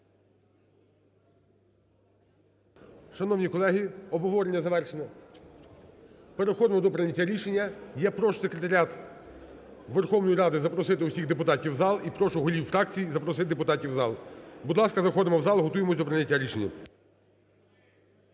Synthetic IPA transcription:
ʃɐnɔwnʲikɔlˠɛɦʲiɔbɔʋɔɾenʲːɐzɐʋɛrʃenɛ | peɾexɔd̪mɔd̪ɔpɾɐnʲɐtʲːaɾʲiʃenʲːɐjɛpɾɔʃsekɾʲet̪ɐɾʲat̪ | ʋerxɔwnɔjiɾɑd̪ɪzɐpɾɔsɪt̪ɪusʲiɣd̪epʊt̪ɑtʲiwzɑlˠipɾɔʃʊɦɔlʲiwfɾɑk̚t͡sʲijizɐpɾɔs̬ɪt̪d̪epʊt̪ɑtʲiwzɑlˠbud̪lˠɑskɐzɐxɔd̪ɪmɔwzɑlˠɦɔt̪ujemɔsʲd̪ɔpɾɐnʲːɐtʲːaɾʲiʃenʲːɐ̰

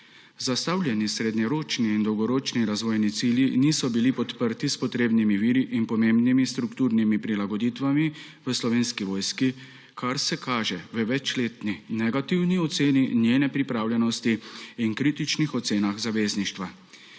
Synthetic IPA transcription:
zast̪aːwlʲjɛnisɾed̪nɲɛɾoːt͡ʃniːnd̪ɔwɡɔɾoːt͡ʃniɾazʋɔːjnit̪siljiniːsɔbilipɔt̪pəɾt̪ispɔt̪ɾeːbnimiʋiːɾiʔinpɔmembnimist̪ɾukt̪uːɾnimipɾilaɡɔd̪iːt̪ʋami | ʋəslɔʋeːnskiʋɔːjski | kʰaɾsɛkʰaːʒɛʋəʋɛt͡ʃleːt̪ninɛɡat̪iwniɔt̪seːninjeːnɛpɾipɾaːwljɛnɔst̪iːnkɾiːt̪it͡ʃnixɔt̪seːnaxzaʋeːzniʃt̪ʋa

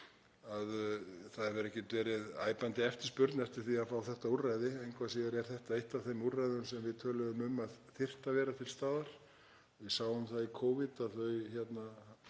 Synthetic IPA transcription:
aðθaðɛɾvɛɾɛhcːɛt̪vɛːɾɪða̰ːjpant̪ɪɛft̪ɪɾ̥spʏɾt̪nɛft̪ɪɾ̥θiaðfaːwθɛht̪aurajðɪejŋkʰvasiɣɪɾɛɾ̥θɛht̪aejht̪aθejmurajðʏnsɛmvɪðt̪ʰœːlʏðʏmʏmaðθɪr̥t̪avɛːɾat̪ʰɪlst̪aːðaɾ̥ | vɪðsaːwʏmθaðikʰoːwvɪt̪aðθœɥçɛt̪na

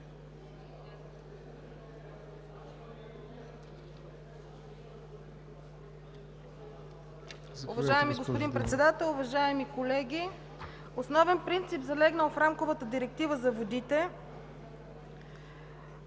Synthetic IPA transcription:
ʊvɐʒaɛmiɡospod̪inpɾɛt̪sɛd̪at̪ɛlˠʊvɐʒaɛmikolɛɡʲi | osnɔvɛnpɾint̪sipzɐlɛɡnəlˠfɾamkovət̪əd̪iɾɛk̚t̪ivəzɐvod̪it̪ɛ

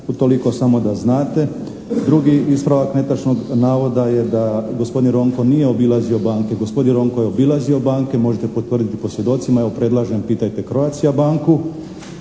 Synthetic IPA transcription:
ut̪o̞liko̞samo̞d̪aznaːt̪e̞ | d̪ɾuɡiispɾaʋakne̞t̪at͡ʃnoɡnaːʋo̞d̪ajed̪aɡo̞spod̪inɾo̞ŋkonije̞o̞bilˠazio̞baːŋkeɡospd̪inɾo̞ŋkojeo̞bilˠazio̞baːŋke̞mo̞ʒet̪epo̞t̪ʋr̩d̪it̪i̥po̞sje̞d̪o̞t̪simajaopɾe̞d̪lˠaʒempiːt̪ajt̪e̞kɾoat̪sijabaːŋku

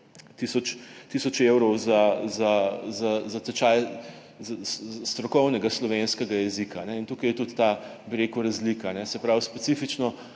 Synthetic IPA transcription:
t̪isɔt͡ʃt̪isɔt͡ʃewɾɔwzazazazat̪ɛt͡ʃaj | zasst̪ɾɔkɔwnɛɡaslɔʋenskɛɡajɛzikaːnɛint̪ukɐjɛt̪ut̪ːa | biɾeːkʊɾazlikaːnɛsɛpɾawspɛsifit͡ʃnɔ

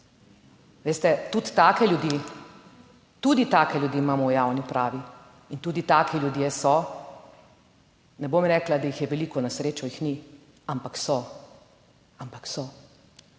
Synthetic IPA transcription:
ʋeːst̪ɛt̪ut̪ːaːkɛljud̪i | t̪ud̪it̪aːkɛlʲjud̪iːmaːmɔwjaːwnipɾaːʋi | int̪uːd̪it̪aːkʰiljud̪jɛsɔ | nɛbomɾɛːklad̪ajixjɛʋɛliːkɔnasɾeːt͡ʃɔjixni | ampaksɔ | ampaksɔ

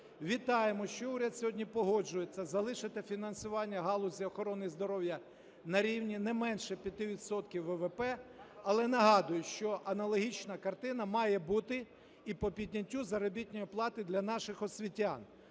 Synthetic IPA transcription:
ʋʲit̪ɑjemɔʃt͡ʃɔuɾʲɐd̪sʲɔɦɔdʲnʲipɔɦɔd͡ʒʊjet͡sʲːɐzɐlˠɪʃɐt̪ɪfʲinɐnsʊʋɑnʲːɐɦɑlˠʊzʲiɔxɔɾɔnɪjzd̪ɔɾɔwjɐ | nɐɾʲiwnʲinɛmɛnʃɛpʲjɐt̪ɪʋʲid̪sɔt̪kʲiwːɛʋɛpɛɐlˠɛnɐɦɑd̪ʊjʊʃt͡ʃɔʔɐnɐlˠɔɦʲit͡ʃnɐkɐrt̪ɪnɐmɑjɛbut̪ɪ | ipɔpʲidʲnʲɐtʲːuzɐɾɔbʲitʲnʲɔjiplˠɑt̪ɪd̪lʲɐnɑʃɪxɔsʲʋʲitʲːan

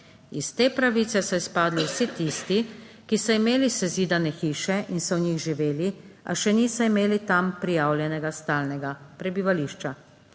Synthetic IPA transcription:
ist̪eːpɾaʋiːt̪sɛsɔispaːd̪liwsit̪ist̪i | kisɔimeːlisɛziːd̪anɛxiːʃɛʔinsɔwɲixʒiʋeːlia̰ʃɛnisɔimeːlit̪ampɾijaːwljɛnɛɡast̪aːlnɛɡapɾɛbiʋaliːʃt͡ʃa

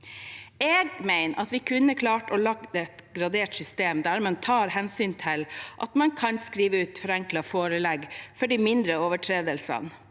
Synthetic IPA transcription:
eːɡmæɪnʔɑ̰t̪ʋɪkʰʉnːəkʰlɑːʈɔlɑɡd̪əɛt̪ɡɾɑd̪eːʈsʏst̪eːmd̪æɾmɛnt̪ʰɑːɾhɛnsyːnt̪ʰɪlʔɑ̰t̪mɑnkʰɑnskɾiːʋəʉːt̪fɔɾɛŋklɑfoːɾəlɛɡfɔɖiːmɪnd̪ɾəɔːʋəʈʰɾeːd̪əlsɑ̰n

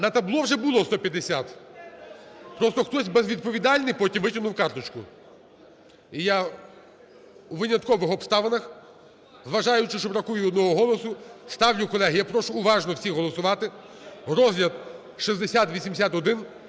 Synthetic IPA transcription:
nɐt̪ɐblˠɔwʒɛbʊlˠɔst̪ɔpʲjɐd̪esʲat̪ | pɾɔst̪ɔxt̪ɔsʲbɛzʋʲid̪̚pɔʋʲid̪ɑlʲnɪjpɔtʲimʋɪtʲɪnʊwkɑrt̪ɔt͡ʃkʊ̰ | ija | uʋɪnʲɐt̪kɔʋɪxɔpst̪ɑʋɐnɐx | zʋɐʒɑjʊt͡ʃɪʃt͡ʃɔbɾɐkujʊɔd̪nɔɦɔɦɔlˠɔsʊst̪ɑwlʲʊkɔlˠɛɦɪjapɾɔʃʊːʋɑʒnɔwsʲiɦɔlˠɔsʊʋɑt̪ɪ | ɾɔzʲlʲɐt̪̚ | ʃizd̪esʲat̪ʋʲisʲimd̪esʲat̪ɔd̪ɪn

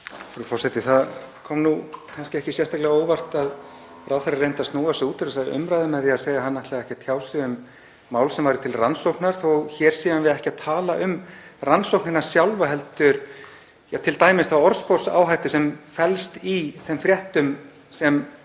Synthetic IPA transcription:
fɾʏfɔr̥sɛt̪ɪθaðkʰɔmnukʰanscɪɛhcɪsjɛrst̪aklɛɣaoːwvar̥t̪að | ɾawθaɾarːejnt̪ast̪nuːasɪuːt̪ɪɾasaðɪ̰ʔʏ̰mɾajðʏmɛðiaðseːjðaɦanːaht̪lɛːɣaɛhcɪat̪ʰjaːwsɪðʏmː | aːwlsɛmvajɾʏ̥t̪ʰɪlransowknaɾ̥θowçɛːɾ̥siːðanvɪðɛhcɪaðt̪ʰaːlaʔʏmransowknɪnḁsjawlvaɦɛlt̪ʏɾ | jat̪ʰɪlt̪aːjmɪst̪θawɔɾspɔɾsa̰ːwɦajht̪ʏsɛmfɛlst̪iθɛmfɾjɛht̪ʏm | sɛm

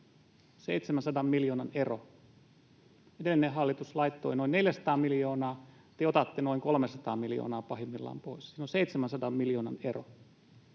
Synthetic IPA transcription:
seit̪semænsɑdɑmmiljoːnɑnero | edelːænehɑlːit̪uslɑit̪ːoinoinneljæsɑ̥t̪ɑːmiljoːnɑː | t̪eot̪ɑt̪ːenoiŋkolmesɑt̪ɑːmiljo̰ːnɑːpɑhimːilːɑ̰ːmpoissiːnonseit̪semænsɑdɑmmiljoːnɑnero̰

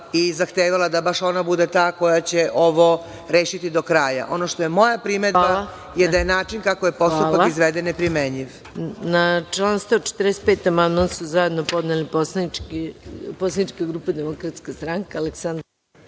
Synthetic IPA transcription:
izaxt̪eːʋalad̪abaʃo̞nabud̪et̪aːko̞jat͡ɕeʔo̞ʋo | ɾeːʃit̪id̪okɾaːja̰ʔo̞noʃt̪ojemo̞japɾimed̪aaa | jed̪ajenaːt͡ʃinkakojepo̞st̪ualpaakizʋed̪enːepɾimeɲiʋ | nat͡ʃlˠanst̪aot͡ʃe̥t̪ərdese̥t̪̚peːt̪amand̪mansuzajed̪nopo̞d̪neliposlˠanikiposlanit͡ʃkaɡɾuːpad̪emokɾat̪skast̪ɾaŋkaaleksand̪

